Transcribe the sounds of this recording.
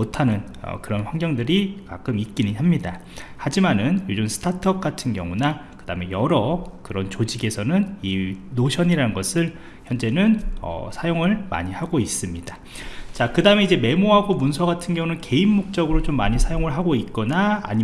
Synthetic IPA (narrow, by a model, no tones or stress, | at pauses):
otʰanɯn | ʌ̰kɯɾʌnɸwaŋɡjʌŋdɯɾika̰k͈ɯmit̚k͈iɲiɦamɲida | had͡ʑimanɯnjod͡ʑumsʰɯ̥tʰatʰʌp̚k͈atʰɯnɡjʌ̰ŋunakɯdaɯmejʌɾʌkɯɾʌnt͡ɕod͡ʑiɡe̞sʰʌnɯninoɕʰʌɲiɾanɯnɡʌsʰɯɭ | çjʌnd͡ʑe̞nɯnʌ̰sʰajoŋɯɭma̰ɲihaɡois͈ɯmɲida | t͡ɕakɯdaɯme̞id͡ʑe̞me̞moɦaɡomunsʰʌɡatʰɯnɡjʌŋunɯnke̞inːok̚t͡ɕ͈ʌɡɯɾot͡ɕomːaɲisʰajoŋɯɭɦaɡoit̚k͈ʌna̰ːɲi